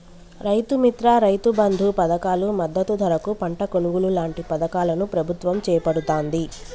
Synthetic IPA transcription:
ɾɐjt̪umit̪ɾaːɾɐjt̪ubɐnd̪ʱupɐd̪ɐkaːlumɐd̪ːɐt̪ud̪ʱɐɾɐkupɐɳʈɐkonuɡululaːɳʈipɐd̪ɐkaːlɐnupɾɐbʱut̪ʋɐmt͡ʃɛːjɐpɐɽut̪oːnd̪i

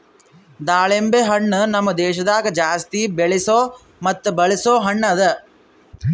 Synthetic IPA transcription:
d̪aːɭembeɦɐɳːnɐmːɐd̪ɛːʃɐd̪aːɡɐd͡ʒaːst̪ibeɭisoː | mɐt̪ːubɐɭisoːɦɐɳːɐd̪ɐ

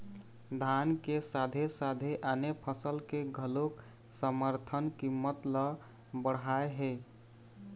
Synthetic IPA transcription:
d̪ʱankesad̪ʱesad̪ʱeʔanepʰəsəlkeɡʱəlok | səməɾt̪ʰənkimːət̪lə | bəɽɦaeɦe

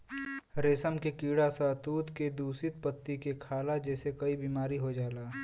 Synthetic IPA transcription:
ɾeːsəmkekiːɽasat̪uːd̪ked̪uːsɪt̪̚pət̪ːikekʰaːlad͡ʒɛːsekɐibiːmaːɾiɦod͡ʒaːlaː

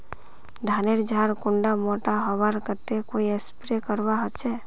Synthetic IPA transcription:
d̪ʱaːneɾd͡ʒʱaːɾkʊɳɖamoːʈaɦəʋaːɾkəɾt̪ekoːiespɾekəɾwaɦət͡ʃʰɛ

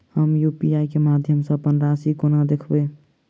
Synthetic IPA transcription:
həmjuːpiaːikemaːd̪ʱjəmsẽəpənɾaːsikonad̪ekʰbeː

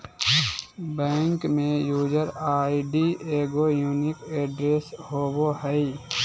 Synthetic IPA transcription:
bɛːŋkmẽjuːd͡ʒəɾaːiɖieːɡojuːnɪkeːɖɾeːshoːbohɛi

